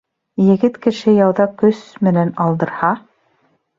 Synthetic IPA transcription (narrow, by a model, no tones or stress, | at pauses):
jɘ̆ɡɘt̪kɘ̆ʃɘjɑwðɑkɵsmɘ̆nænɑlˠd̪ɤ̆ɾhɑ